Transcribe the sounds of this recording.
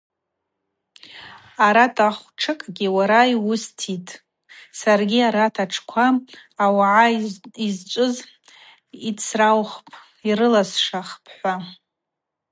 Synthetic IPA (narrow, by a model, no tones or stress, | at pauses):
aɾatʰʼaχʷʈ͡ʂʰɨkʼɡʲiwaɾaiwʊstʰitʼ | sarɡʲiaɾatʰaʈ͡ʂʰkʷʰaːwaʕaizt͡ʃʷʼʊz | it͡sʰrawχpʰʼ | iɾɨlasʂaχpʰħʷa